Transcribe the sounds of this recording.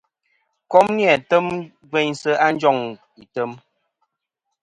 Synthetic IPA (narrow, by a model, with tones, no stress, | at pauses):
kɔ˦mni˦a˨tə˦m | ɡwe˦ɲsə˦a˦n˦d͡ʒɔ˦˨ŋ | i˨tə˦m